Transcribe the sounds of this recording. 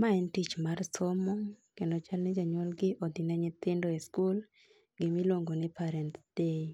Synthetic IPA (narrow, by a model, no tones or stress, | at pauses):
maɛntit͡ʃmarsɔmɔŋkɛndɔt͡ʃalnɛd͡ʒaɲɔlɡɪʔɔd̪ɪnɛɲɪt̪ɪndɔeskul | ɡɪmilwoŋɡonɪpaɾɛnt̪d̥e